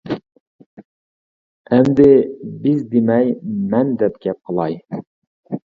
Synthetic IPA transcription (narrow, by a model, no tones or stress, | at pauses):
ɛmd̪ɪbɪzd̪emɛjmɛnd̪ɛp̚ɡʲɛp̚qʰəlˠɑj